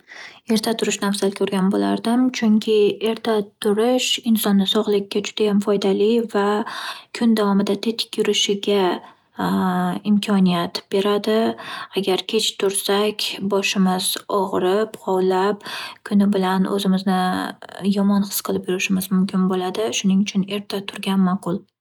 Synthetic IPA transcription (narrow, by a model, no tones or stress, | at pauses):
e̞ɾt̪ʰat̪ʰʊɾɪʃnafzalkʲʰɵɾɡʲanbo̰la̰ɾd̪ɪmt͡ʃʰʊŋkʲʰɪe̞ɾt̪ʰat̪ʰʊɾɪʃɪnsɒnːɪsɒʁlˠɪkʲːad͡ʒʊd̪ajamfɒjd̪alɪvakʰʊnd̪avɒmɪd̪at̪ʰet̪ʰɪ̥kʲjʊɾɪʃɪɡʲa | ɪmkʲʰɒnijat̪b̥e̞ɾad̪ɪaɡʲaɾkʲʰe̞t͡ʃt̪ʰʊɾsakʲbɒʃɪmɪz̥ɒʁɾɪpqʰɒwlapkʰʊnɪbɪlanʔɵ̰zɪmɪznɪ | jɒmɒnχɨ̥sqʰɨlˠɪpjʊɾɪʃɪmɪzmʊmkʲʰɪnbolad̪ɪʃʊnɪŋʊt͡ʃʰʊne̞ɾt̪ʰat̪ʰʊɾɡʲanmaqʰʊlˠ